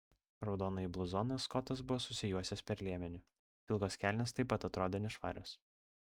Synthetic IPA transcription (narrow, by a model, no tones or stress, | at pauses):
ɾɒʊd̪oːnɐiblˠʊzɔːnɐskɔt̪ɐsbʊʋɔːsʊsʲɪjuɔsʲɛspʲɛɾlʲeɛmʲɛnʲʊ | ɪlˠɡoːskʲæːˑlʲnʲeːst̪ɐɪpːɐt̪ɐt̪ɾoːd̪ʲenʲɪʃʋɑ̰ːɾʲoːs